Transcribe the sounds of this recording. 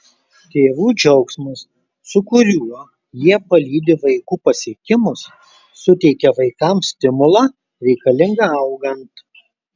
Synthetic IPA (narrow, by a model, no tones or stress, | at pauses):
t̪ʲeːʋuːd͡ʒʲɛʊksmɐsː | ʊkʊɾʲuɔ | jiɛpɐlʲiːd̪ʲɪʋɐɪkuːpɐsʲiɛkʲɪmʊsː | ʊt̪ʲɛɪkʲɛʋɐɪkɐˑmsʲt̪ʲɪmʊlˠɑː | ɾʲɛɪkɐlʲɪŋɡɐɐʊɡɐnt̪